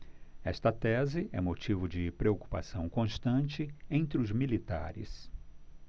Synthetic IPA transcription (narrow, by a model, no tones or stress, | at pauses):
ɛ̰st̪ɐt̪ɛzɪʔɛ̰mot͡ʃivʊd͡ʒɪpɾeoku̥pa̰sɐ̃w̃kõst̪ɐ̃nt͡ʃɪẽnt̪ɾɪʊzmilit̪a̰ɾɪ̰s